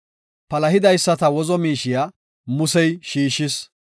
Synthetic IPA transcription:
pɐlɐɦɪd̪ɐjsːɐt̪ɐwɔzɔmiːʃɪja | mʊsɛjʃiːʃɪs

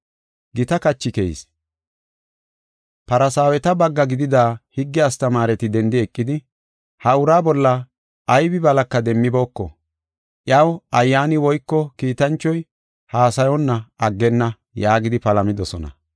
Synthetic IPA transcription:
ɡɪt̪ɐkɐt͡ʃːɪkɛ̰s | pɐɾɐsaːwɛt̪ɐbɐɡːɐɡɪd̪ɪd̪aːhɪɡːɪɐst̪ɐmaːɾɛt̪ɪd̪ɛnd̪ɪɛkʼːɪd̪ɪ | hɐʊɾaːbɔlːɐː | jbɪbɐlɐkːɐd̪ɛmːɪbo̞ːkːɔ̰ | ʔjɐwɐjːaːnɪwɔjkːɔkiːt̪ɐnt͡ʃːɔj | haːsɐjɔnːɐɐɡːɛnːɐ | jaːɡɪd̪ɪpɐlɐmɪd̪ɔsɔnɐ̰

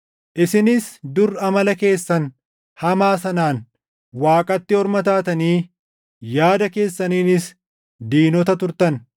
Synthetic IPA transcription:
ʔɪsɪnɪsd̪ʊɾːɐmɐlɐke̞ːsːɐn | hɐmaːsɐnaːn | waːkʼɐt̪ːɪɔɾmɐt̪aːt̪ɐniː | jaːd̪ɐke̞ːsːɐniːnɪs | d̪iːnɔt̪ɐt̪ʊɾt̪ɐn

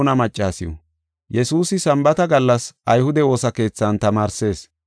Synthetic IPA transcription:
nɐmɐt͡ʃʼːaːsɪjɔ̰ | jɛsuːsɪsɐmbɐt̪ɐɡɐlːɐsʔɐjhʊd̪ɛwo̞ːsɐke̞ːt͡sːɐnt̪ɐmaːɾse̞ːs

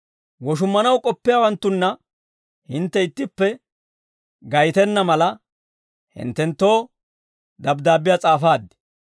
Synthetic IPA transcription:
wɔʃ̬ʊmːɐnɐwkʼɔpːɪjaːwɐnt̪ːʊnːɐ | hɪnt̪ːɛɪt̪ːɪpːɛ | ɡɐjt̪ɛnːɐmɐlɐ | hɪ̰nt̪ːɛnt̪ːo̞ː | d̪ɐbd̪aːbːɪjat͡sʼaːfaːd̪ːɛ̥

